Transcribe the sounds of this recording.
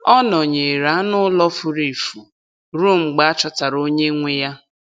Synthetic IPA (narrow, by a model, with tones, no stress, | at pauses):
ɔ˦nɔ˨ɲe˨ɾa˨˦nʊ˦lɔ˦fʊ˦ɾe˨fu˨ | ɾu˦˨m̩˨ɡ͡ba˦a˦t͡ʃɔ˦ta˨ɾo˦ɲe˦ŋʷe˦ja˦